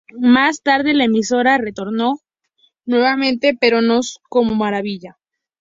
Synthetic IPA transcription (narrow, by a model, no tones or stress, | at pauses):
mast̪aɾðe̞laemiso̞ɾare̞t̪o̞ɾno̞ | nwe̞βamẽ̞nt̪e̞pe̞ɾo̞no̞sko̞momaɾaβiʝa